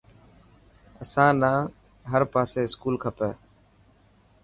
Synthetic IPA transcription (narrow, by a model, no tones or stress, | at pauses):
əsãːnãː | ɦəɾpaːseːɪskuːlkʰəpəː